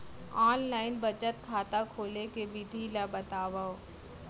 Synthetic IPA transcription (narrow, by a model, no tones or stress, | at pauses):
aːnlaːɪnbɐt͡ʃət̪kʰaːt̪akʰoːlekebɪd̪ʱilabɐt̪aːʋao